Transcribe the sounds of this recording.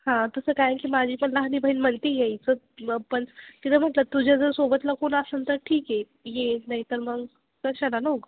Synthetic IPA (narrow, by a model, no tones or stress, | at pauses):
hãt̪əsəːkajekiːmad͡ʑʱiːpəɳlaɦnibʱəiːnm̤əɳt̪iːjeit͡sə | pəɳkit̪em̤əʈlət̪ud͡ʑʱad͡zəɾsobət̪lakoɳəsənt̪əɾʈʰiːke | jenaɦit̪əɾməɡ | kəɕəlanəwɡ